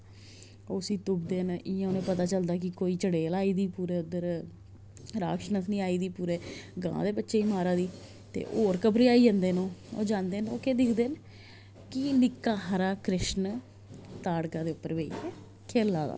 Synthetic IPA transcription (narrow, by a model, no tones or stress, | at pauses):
oːsĩːt̪ʊbd̪eːniãːoːnẽːpət̪aːt͡ʃəld̪aːk̬ɪkoːiːt͡ʃəɽeːlaːiːd̪iːpuːɾeːʊd̪əɾ | ɾa̰ːkʃnəsnĩːaːiːd̪iːpuːɾeːɡã̰ã̰ːd̪eːbətːʃeːiːmaːɾaːd̪iː | t̪ḛːʔoːɾkəpɾiːaːiːd͡ʒə̃nd̪eːnõːo̰ːd͡ʒãːnd̪eːnoːkeːd̪ɪkʰd̪eːn | kɪnɪkːaːɦəɾaːkɾɪʃn | t̪aːɽkãːd̪eːʊpːəɾʋeːḭeː | kʰeːlːaːd̪a̰ː